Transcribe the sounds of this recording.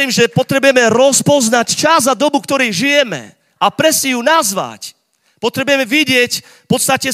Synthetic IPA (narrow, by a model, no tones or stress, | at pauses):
iːmʒɛpɔt̪ɾɛbujɛmɛɾɔspɔznact͡ʃazad̪ɔbukt̪ɔɾɛjʒijɛmɛ̰ | apɾɛsijunazʋa̰c | pɔt̪ɾɛbujɛmɛʋiɟɪɛc | fpɔt̪st̪acɛ